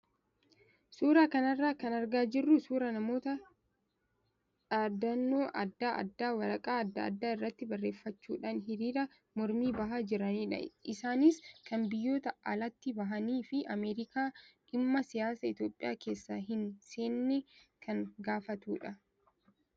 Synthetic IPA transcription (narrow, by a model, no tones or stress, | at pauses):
suːɾaːkɐnɐrːaːkɐnɐɾɡaːd͡ʒɪrːʊsuːɾɐnɐmo̞ːt̪ɐ | ᶑad̪ɐnːoːʔɐd̪ːaːʔɐ̰d̪ːaːwɐɾɐkʼaːɐd̪ːɐɐ̰d̪ːaːɪrːɐt̪ːɪbɐrːe̞ːfːɐt͡ʃːuːᶑaːnɦɪɾiːɾɐ | mɔɾmiːbɐɦaːd͡ʒɪɾɐniːᶑɐ̰ɪsaːnɪskɐnbɪjːo̞ːt̪ɐɐlɐt̪ːɪbɐɦɐniːfɪɐmeːɾɪkaːᶑɪmːɐsɪjaːsɐɪt̪jo̞ːpʼːɪja̰ːke̞ːsːaːɦɪnse̞ːnːɛkʰɐŋɡaːfɐt̪uːᶑɐ